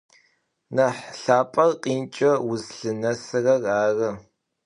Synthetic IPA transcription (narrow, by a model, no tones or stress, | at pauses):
nɐħɬaːpʼɐrqʼiːnt͡ʃʼɐwʊzɬɨnɐsɨrɐraːrɐ